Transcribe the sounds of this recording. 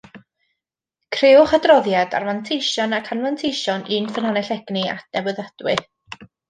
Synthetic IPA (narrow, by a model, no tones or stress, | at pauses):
kʰrɪʊχadrɔðjada̰rvantʰejʃɔnakʰanvantʰejʃɔniːnfənhanɛɬɛɡ̥nia̰tnɛbəðad̥wɪ